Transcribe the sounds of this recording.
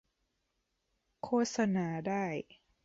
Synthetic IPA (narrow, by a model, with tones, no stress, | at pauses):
kʰoː˥˩t̪̚sa˧naː˩˦daː˥˩j